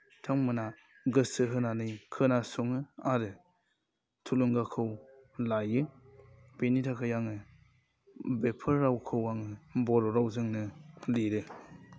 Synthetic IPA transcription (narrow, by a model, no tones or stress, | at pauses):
tʰaŋmɯna | ɡɯsɯɦɯnanɯjkʰɯnasuŋɯaɾɯ | tʰuluŋɡakʰɯwlajɯ | b̥enitʰakʰɯjaŋɯ | bepʰɯɾɾawkʰɯwaŋɯbɔɾɔɾawzɯŋnɯliɾɯ